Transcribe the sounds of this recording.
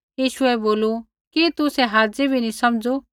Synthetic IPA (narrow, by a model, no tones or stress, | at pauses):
jiːʃʊɛboːlu | kit̪usɛɦaːd͡zebʱinĩsɐmd͡zo